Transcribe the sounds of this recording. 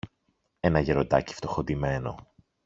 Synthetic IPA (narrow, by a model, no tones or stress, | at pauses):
e̞nɐʝe̞ɾod̪ɐ̰ci̥ft̪o̞xod̪ime̞no̰